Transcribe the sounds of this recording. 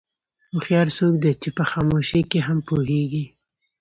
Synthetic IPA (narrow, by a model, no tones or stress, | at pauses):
xoxjɑɾsok̚d̪et͡ʃepəxɑmoʃekeɦampoɦeɡi